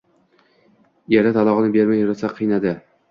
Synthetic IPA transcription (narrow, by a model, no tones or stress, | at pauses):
jaɾat̪ʰalˠɒʁɨnɪbeɾmajʊɾasaqʰɨjnad̪ɪ